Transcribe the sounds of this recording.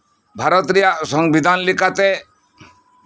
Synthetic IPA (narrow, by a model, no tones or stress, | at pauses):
bʱaɾɔt̪ɾijasɔŋbid̪ʱanlikat̪e